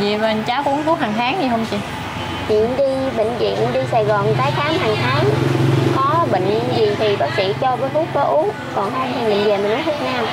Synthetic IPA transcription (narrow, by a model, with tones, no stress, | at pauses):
zḭ˧˨və˨˩nt͡ɕaː˨˦wkɔ˧ʔnt̪ʰu˦˥k̚haː˨˩ŋt̪ʰaː˨˦ŋɲi˨˩ɦə˧wŋ͡mt͡ɕi˨˧˩ | t͡ɕwḭ˧˨ənɗi˧ɓə̰˧˨ŋ̟zḭ˧˨ənɗi˧saː˨˩jɣɔ˨˩nt̪aː˨˦jxaː˨˦mhaː˨˩ŋt̪ʰaː˨˦ŋkɔ˨˦ɓə̰˧˨ŋ̟˧zi˨˩t̪ʰi˨˩ɓaː˦˥k̚sḭ˧˨t͡ɕɔ˧vəː˨˦jfʰu˦˥t̚kə˨˦ʔu˨˦ | kɔ˨˩nt̪ʰa˧mt̪ʰi˨˩mï˨˩ŋve˨˩mi˨˩ʔu˨˦˥ŋfʰu˦˥k̚naː˧m